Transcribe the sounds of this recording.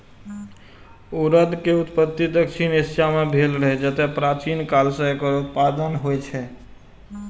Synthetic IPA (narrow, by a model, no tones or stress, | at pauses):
oɾəd̪keut̪pət̪ːid̪əkʃʰinisjamebʱelɾəɦɛd͡ʒət̪ɛpɾat͡ʃinkalsə̃ekəɾut̪pad̪ənɦojt͡ʃʰɛ